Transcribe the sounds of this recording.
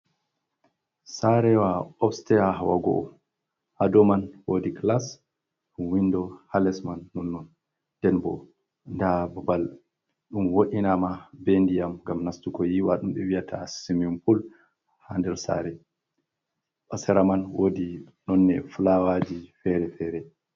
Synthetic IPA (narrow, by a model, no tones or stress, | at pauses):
saɾɛwaɔfstɛaɦawa̰ɡɔ̰ʔɔ̰ | ʔadɔmanwodiklas | ɗuwindɔhalɛsmanːɔnːɔn | d̥ɛnbɔ̰ | ndababal | ɗumwoʔinamabendijamŋɡamnastukɔjiwaɗumɓɛwijatʰa̰simɔmpul | handɛɾsa̰ɾɛ | ʔɔsɛɾamanwodi | nɔnːɛfulawad͡ʒifɛɾɛfɛɾɛ